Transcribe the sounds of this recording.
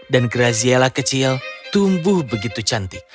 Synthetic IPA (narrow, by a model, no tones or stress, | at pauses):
danɡəɾazielahkət͡ʃilt̪umbʊhbəɡit̪ut͡ʃant̪i